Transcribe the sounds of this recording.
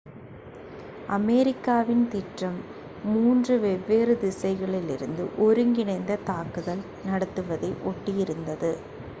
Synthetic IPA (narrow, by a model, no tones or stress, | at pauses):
ʔɐmɛɾɪkːaːʋɪnt̪ɪʈrɐmː | uːndrɯʋɛʋːeːrɯd̪ɪsɐɪɣɐɭɪlɪɾɯnd̪ɯ̰ʔɔɾɯŋɡɪnɐɪnd̪ɐt̪aːkɯðɐl | nɐɽɐt̪ːɯʋɐðɐɪʔɔʈːɪjɪɾɯnd̪ɐðɯ